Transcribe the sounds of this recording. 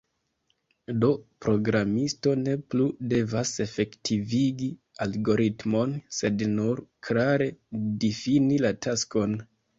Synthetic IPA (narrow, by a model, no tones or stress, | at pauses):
do̞pɾo̞ɡɾamisto̞ne̞plude̞vase̞fe̞ktʰiviɡi | alɡo̞ɾitmo̞nse̞dnuɾklaɾe̞difinilatasko̞n